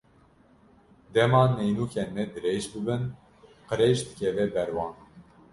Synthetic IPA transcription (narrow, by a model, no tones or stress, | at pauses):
d̪ɛmɑːnɛjnuːkʰɛnmɛd̪ɨɾeːʒbɨbɨn | qɨɾeʒd̪ɨkɛvɛbɛɾwɑːn